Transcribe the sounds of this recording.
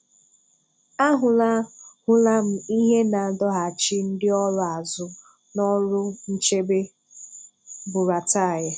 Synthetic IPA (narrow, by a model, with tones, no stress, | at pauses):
a˦ɦʊ˨la˦hʊ˦la˦m̩˨i˦ɦe˦na˨dɔ˦ɦa˨t͡ʃɪ˦n̩˦dɪ˦ɔ˦ɾʊ˦a˨zʊ˦ | nɔ˦ɾʊ˦n̩˦t͡ʃe˦be˦ | bʊ˨ɾa˨ta˦˨ja˨